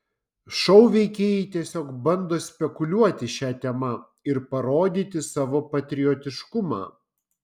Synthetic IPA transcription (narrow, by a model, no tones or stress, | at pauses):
ʃɔʊʋʲɛɪkʲeːjɛɪt̪ʲiɛsʲoːkbɐnd̪oːsʲpʲɛkʊlʲuɔt̪ʲɪʃʲæːt̪ʲɛmɐ | ɪɾpɐɾoːd̪ʲiːt̪ʲɪsɑːʋoːpɐt̪ʲɾʲɪjɔt̪ʲɪʃkʊmɑ̰ː